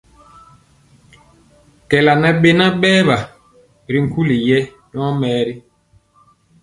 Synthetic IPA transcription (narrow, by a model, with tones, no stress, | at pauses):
kɛ˨la˨nɛ˨ɓe˨na˦ɓɛː˦βa˨ | ɾi˨˦ŋ̩˨˦ku˦li˨jɛ˦ | ɲɔ˦mɛː˦ɾi˦